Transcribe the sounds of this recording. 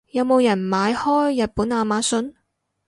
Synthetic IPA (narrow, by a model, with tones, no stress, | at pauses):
jɐ˨˧wmo˨˧wjɐ˨˩nmaː˨˧jhɔː˥jːɐ˨t̚puː˨˥naː˧maː˨˧˥sɵ˨˥n